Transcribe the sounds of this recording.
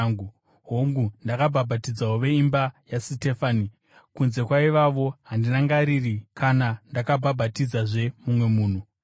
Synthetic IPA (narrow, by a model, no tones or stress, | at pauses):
ŋu | ɦoŋɡundakabʱabʱatid͡zawoʋe̞imbajasitefaːni | kunze̞kwaiʋaʋo̞ɦandinaŋɡaɾirikʰanandakabʱabʱatid͡zaʐe̞mumwe̞muːn̤u